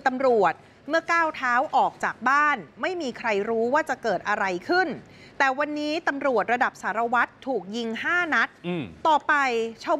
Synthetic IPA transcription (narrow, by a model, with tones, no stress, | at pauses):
t̪a˧mɾu˨˩ət̪̚ | mɯ˥˩ɐkaː˥˩wt̪ʰaː˦˥wʔɔː˨˩k̚t͡ɕaː˨˩k̚baː˥˩nma˥˩jmiː˧kʰɾa˧jɾuː˦˥waː˥˩t͡ɕa˨˩kɤː˨˩t̪̚ʔa˧ɾa˧jkʰɯ˥˩n | t̪ɛː˨˩wa˧nːiː˦˥t̪a˧mɾu˨˩ət̪̚ɾa˧da˨˩p̚saː˩˦ɾa˧wa˦˥t̪ʰːuː˨˩k̚ji˧ŋhaː˥˩na˦˥t̪̚ːɔː˨˩pa˧jt͡ɕʰa˥˩w